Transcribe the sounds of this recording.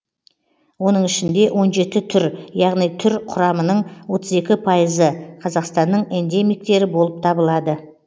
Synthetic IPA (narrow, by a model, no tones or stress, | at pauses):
wo̞nəɴɪʃɪnd̪e̞wʔo̞nʒe̞t̪ɪt̪ʰʏɾjɑʁnijt̪ʰʏɾqʰʊɾɑmənəɴwo̞t̪ʰəze̞kʲɪpʰɑjəzəqʰɑzɑqst̪ɑnːəɴend̪e̞mijk̚t̪e̞ɾɪbo̞lˠəp̚t̪ʰɑbəlˠɑd̪ə